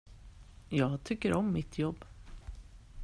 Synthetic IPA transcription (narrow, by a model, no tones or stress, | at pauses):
jɑːɡt̪ʰʏkːəɾʔɔmːɪt̪ʰjɔbː